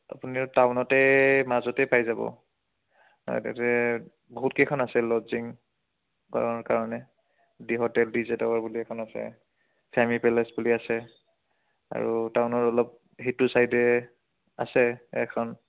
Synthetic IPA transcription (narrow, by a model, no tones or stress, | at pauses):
a̰puniɹtaʊnɔtɛmazɔtɛjpajzabɔ̰ | a̰ɛ̰tɛ̰tɛ | boɦutkejkʰɔnasɛlɔziŋ | kɔ̰ɹaɹkaɹɔnɛ | diɦɔtɛldizɛtɔwaɹbuliɛkʰɔnasɛ̰ | pʰamipɛlɛsbuliasɛ | a̰ɹutaʊnɔɹɔlɔp̚ | ɦitusajdɛ | a̰sɛɛ̰kʰɔn